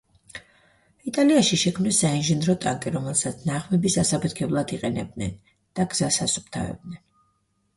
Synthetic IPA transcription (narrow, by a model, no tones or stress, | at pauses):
it̪ʼaliaʃiʃɛkʰmnisːainʒɛnɾɔt̪ʼaŋkʼiɾɔmɛlˠsat̪sʰnaʁmɛbisasapʰɛt̪ʰɡʰɛblˠad̪iqʼɛnɛb̚d̪nɛn | d̪̥aɡz̥asasup̚ʰt̪ʰa̰vɛ̰b̚d̪̚nɛn